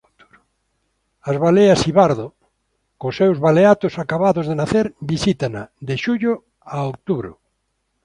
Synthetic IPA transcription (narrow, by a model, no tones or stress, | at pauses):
ɾ | azβaleasiβaɾðo | kʊsewzβaleat̪osakaβaðozðenaθeɾbisit̪anad̪eʃuʎʊ | aok̚t̪uβɾʊ̰